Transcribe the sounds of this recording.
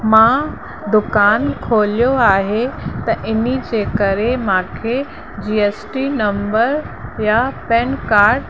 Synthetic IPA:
mã | d̪ʊkaːnkʰoːlijoaːɦet̪ɐʔɪnid͡ʑeːkɐɾemãːkʰe | d͡ʑiːeːsʈinɐ̃mbəɾ | japɛːnkaːɾɖ

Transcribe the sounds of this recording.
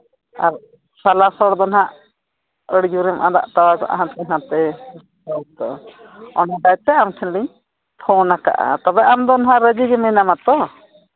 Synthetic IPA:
a̰ɾ | salasɔɽd̪ɔnɦaʔ | əɽd͡ʒuɾɛmʔa̰d̪a̰ʔt̪awad͡ʒɔ̰ʔa̰ɦãt̪ɛnat̪ɛ | sɔt̪ɔ̰ | ɔnɔɖajt̪ɛamkʰɛnliɲ | p̪ʰɔnaka̰ʔa̰t̪ɔbɛʔamd̪ɔnɦaʔɾəd͡ʒiɡɛmɛnamat̪ɔ

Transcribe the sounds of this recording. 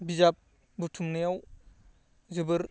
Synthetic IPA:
bizap̚ | butʰumnijaw | zɯbɯɾ

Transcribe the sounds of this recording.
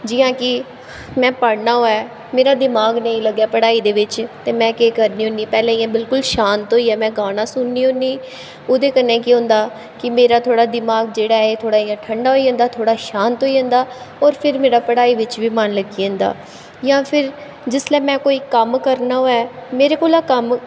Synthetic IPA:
d͡ʒɪjãːkɪ | mɛ̃ːpəɽnaːɦoːɛː | meːɾaːd̪ɪmaːɡnəĩːləɡːjaːpəɽaːiːd̪eːʋɪt͡ʃt̪eːmɛ̃ːkeːkəɾniːɦõːniːpɛːlẽːijãːbɪlkʊlʃaːnt̪oːiːɛːmɛ̃ːɡaːnãːsʊnːiːɦõːnːiː | oːd̪eːkənːẽːkiʊ̃ːnd̪aː | kɪmeːɾaːt̪ʰoːɽaːd̪ɪmaːɡd͡ʒeːɽaːɛeːt̪ʰoːɽaːiːãːʈʰəɳɖaːɦoiːə̃nd̪aːt̪ʰoːɽaːʃaːnt̪oːiːə̃nd̪aː | ɔːɾpʰɪɾmeːɾaːpəɽaːiːʋɪt͡ʃʋiːmanləɡiːə̃ːnd̪a̰ː | jãːpʰɪɾ | d͡ʒɪslɛːmɛ̃ːkoːiːkəmkəɾnaːɦoːɛːmeːɾeːkoːlaːkəm

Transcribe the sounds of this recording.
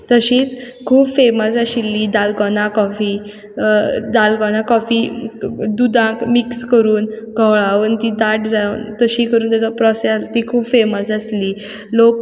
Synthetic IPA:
t̪əɕiːt͡skʰuːbfeməsəɕilːiːd̪alɡɔnãkɔfiː | d̪alɡɔnãkɔfiːd̪ud̪ʱãkmikskəɾuːn | ɡʱəwɭaʋənt̪id̪aʈd͡zant̪əɕiːkəɾuːnt̪jat͡sapɾɔsat̪ikʰuːbfeməsəsliː | lok

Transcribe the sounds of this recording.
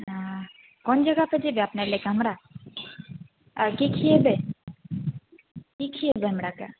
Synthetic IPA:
a | kɔnd͡ʒɐɡaped͡ʒebeapnelekaɦɐmɾa | kikʰiebe | kikʰiebeɦɐmɾaka̰

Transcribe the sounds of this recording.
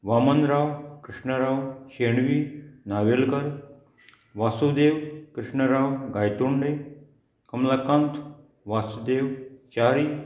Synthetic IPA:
ʋaːmɐnɾaːwkɾɪʂɳəɾaːwɕeɳʋiːnaʋelɡəɾ | ʋasud̪eːwkɾɪʂɳəɾaːwɡaːjt̪uɳɖe | kɐmlakant̪ʰ | ʋaːsud̪eːwt͡ʃaːɾiː

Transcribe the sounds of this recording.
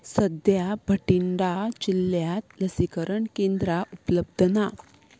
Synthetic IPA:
səd̪jabʱəʈiɳɖat͡ɕilːjat̪ləsikəɾəɳkend̪ɾaʔupləb̚d̪ʱəna

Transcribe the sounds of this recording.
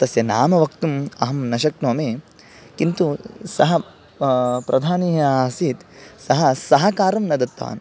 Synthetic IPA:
t̪ɐsjɐnaːmɐʋɐkt̪umɐɦɐmnɐʃɐknuːmeː | kint̪usɐɦɐ | pɾɐd̪ʱaːniːɦɐaːsiːt̪sɐɦɐ̆sɐɦɐkaːɾɐmnɐd̪ɐt̪ʋa̰ːn

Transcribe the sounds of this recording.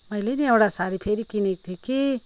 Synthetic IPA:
məjleniewɽasaɾipʰeɾikinek̚t̪ʰiki

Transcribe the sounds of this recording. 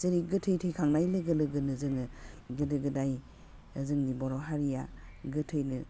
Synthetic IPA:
zəɾiɡɯtʰɯjtʰɯjkʰaŋnajlɯɡɯlɯɡɯnɯzɯŋɯɡɯdɯɡɯdaj | ɯzɯŋnibɔɾɔɦaɾija̰ɡɯtʰɯjnɯ

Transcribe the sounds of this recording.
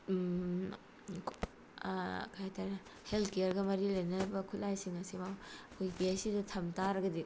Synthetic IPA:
kʰajtʰaɾnɐ | heltkejaɾɡɐmɐɾilɐjnɐɾɐbɐkʰutlajsiŋɐsimawɐkʰojɡesidɐtʰɐmtaɾɐɡɐdi

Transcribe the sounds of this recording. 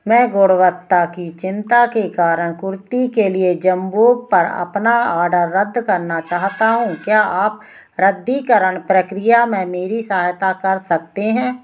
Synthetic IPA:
mɛ̃ːɡoːɽwət̪ːakit͡ʃɪ̃nt̪akekaːɾəɳ̃kʊɾt̪ikelied͡ʒəmboːɡ̚pəɾə̰pnaaːɖəɾːəd̪ːkəɾnat͡ʃaːɦt̪aɦũːkjaːaːp̚ | ɾəd̪ːikəɾəɳpɾəkɾɪjamɛ̃meːɾisəaːjt̪akəɾsək̚t̪eɦɛ̃ː

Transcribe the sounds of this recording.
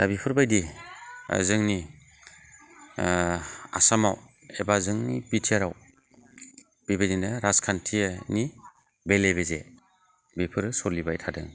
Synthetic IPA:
dabipʰɯɾbajdḭ | zɯŋni | a̰samaw | ebazɯŋnḭpitʰiaɾaw | b̥ibedinɯɾaskʰantʰiani | belebeze | bipʰɯɾsɔlibajtʰadɯ̰ŋ

